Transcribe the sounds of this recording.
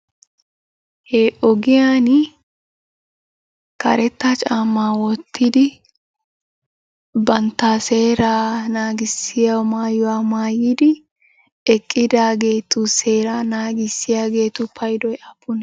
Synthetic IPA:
hɛʔɔɡɪjaːn | kɐ̰ɾɛt̪ːɐt͡ʃʼaːmːaːwɔt̪ːɪd̪ɪ | bɐnt̪ːase̞ːɾaːnaːɡɪsːɪjawmaːjʊwaːmaːjid̪ɪ | ɛkʼːɪd̪aːɡe̞ːt̪ʊse̞ːɾaːnaːɡɪsːɪjaːɡe̞ːt̪ʊpʰɐjd̪ɔjɐpːʊn

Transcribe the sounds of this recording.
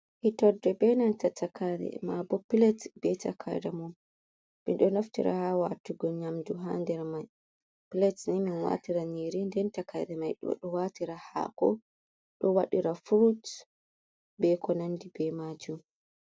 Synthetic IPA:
hitɔdɛbɛnantatʰakaɾɛ̰mabɔpilɛtbɛta̰kʰa̰jɾamum | mḭnɗɔnoftiɾa̰hawatuɡɔɲamduɦandɛɾmaj | pilɛtniminwa̰tiɾaniɾindɛntakajɾɛmajɗɔ̰ɗɔwatiɾaha̰kɔ̰ | ɗɔwaɗiɾafuɾut | bɛkɔnandibɛmad͡ʒum

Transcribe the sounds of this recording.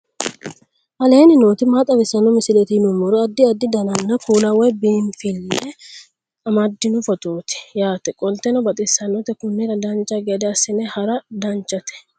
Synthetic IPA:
ʔɐle̞ːnɪnoːt̪ɪmat̪ʼɐbɪsɐnɔmɪsɪlɛt̪ɪnʊmɔɾɔɐd̪ːɪɐd̪ːɪd̪ɐnɐnːɐkuːlɐwɔbiːnfɪlːɛ | ɐmɐd̪ːɪnʊfɔt̪oːt̪ɪ̥jaːt̪ɛkʼɔlt̪ɛnɔbɐt̪ʼɪsːɐnɔt̪ɛkʊnːɪɾɐd̪ɐnt͡ʃːɐɡɛd̪ɛɐsːɪnɛhɐɾɐd̪ɐnt͡ʃːɐt̪ɛ̥

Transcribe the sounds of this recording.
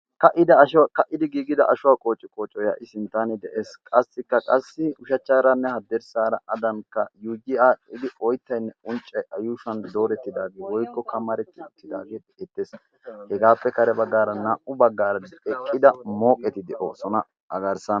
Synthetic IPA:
kɐʔɪd̪ɐɐʃkɐʔɪd̪ɪɡiːɡɪd̪ɐʔɐʃʊwaːkʼo̞ːt͡ʃʼːɪkʼoːt͡ʃʼːɔja̰ːʔɪsɪnt̪ːanɛd̪ɛʔeːskʼɐsːɪkːɐkʼɐsːɪʊʃɐt͡ʃːaːɾɐnːɛhɐd̪ːɛɾsaːɾɐʔɐd̪ɐnkːɐjuːɡɪaːɪd̪ɪʔɔjt̪ːɐjnːɛʊnt͡ʃʼːɐjʔɐjuːʃɐnd̪o̞ːɾɛt̪ːɪd̪aːɡeːwɔjkːɔkɐmɐɾɛt̪ːɪʊt̪ːɪd̪a̰ːɡeː | ɛt̪ːes | hɛɡaːpːɛkɐɾɛbɐɡːaːɾɐnaːʔʊbɐɡːaːɾɐɛkʼːɪd̪ɐmo̞ːkʼːɛt̪ɪd̪ɛʔo̰ːsɔnɐ | ɐ̰ɡɐɾsɐn

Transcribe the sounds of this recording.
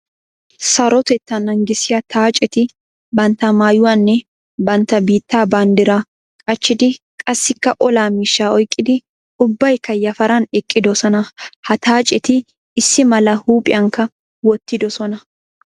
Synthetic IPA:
sɐɾɔt̪ɛt̪ːɐnɐŋɡɪsɪɐt̪ʰaːt͡ʃʼɛt̪ɪ | bɐnt̪ɐmaːjʊwɐnːɛ | bɐnt̪ɐbiːt̪ːaːbaːnd̪ɪɾɐ | kʼɐt͡ʃːɪd̪ɪ | kʼɐsːɪkːɐʔɔlaːmɪʃːaːɔjkʼːɪd̪ɪ | ʊbːɐjkɐjːɐfɐɾɐnɛkʼːɪd̪ɔsɔnɐhɐt̪aːt͡ʃʼɛt̪ɪː | sːɪmɐlɐhuːpʼɪɐŋkɐ | wɔt̪ːɪd̪ɔsɔnɐ

